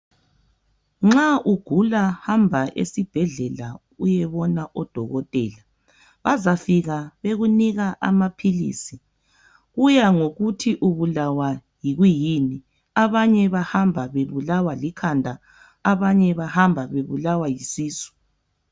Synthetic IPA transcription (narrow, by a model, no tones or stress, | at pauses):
ŋ͡ǁaʔuɡ̥ʱulahambʱaʔḛsib̥ʱɛɮɛla | ujɛβɔnaʔɔd̥ʱɔɣɔtʼɛːla | βazafiɣaβeɣuniɣaʔa̰mapʰilḭːsi | ɣujaŋoɣutʰiʔuβulawajiɣujini | aβaɲɛβahambʱaβeβulawalikʰandʱaː | βaɲɛβahambʱaβeβulawajisiːsu̥